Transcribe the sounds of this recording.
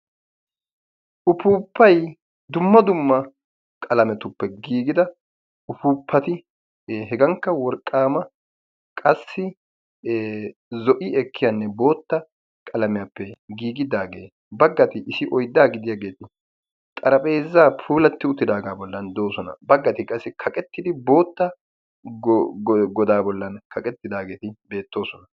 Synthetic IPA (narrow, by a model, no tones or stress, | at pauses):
ʔʊpuːpːɐj | d̪ʊmːɐd̪ʊmːɐ | kʼɐlɐmɛt̪ʊpːɛɡiːɡɪd̪ɐ | ʊpuːpʰːɐt̪ɪ | ɦɛɡɐŋkːɐwɔɾkʼːaːmɐ | kʼɐsːɪ | zɔʔɪɛkʰːɪjanːɛbo̞ːt̪ːɐ | kʼɐlɐmɪjaːpːɛɡiːɡɪd̪aːɡeː | bɐɡːɐt̪ɪʔɪsɪʔɔjd̪ːaːɡɪd̪ɪjaɡe̞ːt̪ɪ | t̪ʼɐɾɐpʼe̞ːzːaːpʰuːlɐt̪ːɪʊt̪ːɪd̪aːɡaːbɔlːɐnd̪o̞ːsɔnɐ̰bɐɡːɐt̪ɪkʼɐsːɪkʰɐkʼɛt̪ːɪd̪ɪbo̞ːt̪ːɐ | ɡɔd̪aːbɔlːɐnkʰɐkʼɛt̪ːɪd̪aːɡe̞ːt̪ɪbe̞ːt̪ːo̞ːsɔnɐ